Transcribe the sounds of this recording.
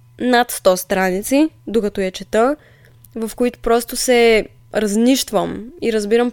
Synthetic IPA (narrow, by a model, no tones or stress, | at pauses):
nat̪st̪ɔst̪ɾanit̪sid̪okɐt̪ɔjɛt͡ʃɛt̪ə | vɐfkoit̪ʊ̥pɾɔst̪osɛ | ɾɐzniʃt̪vəmiɾəzbiɾəm